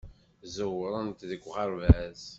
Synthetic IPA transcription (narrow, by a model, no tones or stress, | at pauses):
zəwəɾˤənt̪ðəkʷːʁɑɾvæz